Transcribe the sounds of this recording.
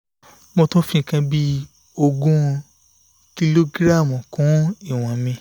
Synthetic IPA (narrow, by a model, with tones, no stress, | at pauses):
mõ˧tõ˦fĩ˦˨kã˧bi˦ | o˧ɡũ˦˧ | ki˧lo˦ɡɾa˦˨mɔ̃˨kɔ̃˨˦i˦˨w̃ɔ̃˨mĩ˧